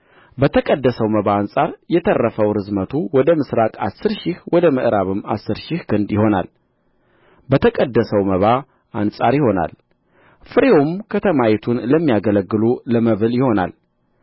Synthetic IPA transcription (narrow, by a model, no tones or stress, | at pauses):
bət̪ʰəkʼəd̪ːəsəwməβaːnsʼaɾjɛt̪ʰərːəfəwɾɨzmət̪ʰuwɔd̪əmɨsɾakʼa̰sːɨɾʃɪhwɔd̪əməʔɾaβɨmːa̰sːɨɾʃɪhkʰɨnd̪jɪho̞na̰l | bət̪ʰəkʼəd̪ːəsəwməβa | ʔansʼaɾjɪho̞na̰l | fɨɾeomkʰət̪ʰəmajɛt̪ʰunləmːijaɡələɡːɨluləməβɨljɪho̞na̰l